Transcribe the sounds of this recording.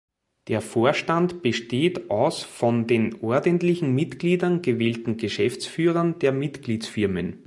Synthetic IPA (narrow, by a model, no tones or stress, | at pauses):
d̥eːɐfoːɐʃtantb̥əʃteːtʔaʊsfɔ̃ndeːnʔɔɐdəntlɪçŋ̩mɪtɡ̥liːdɐnɡəveːltn̩ɡəʃɛft͡sfyːʁɐnd̥eːɐmɪtɡ̥liːt͡sfɪɐmən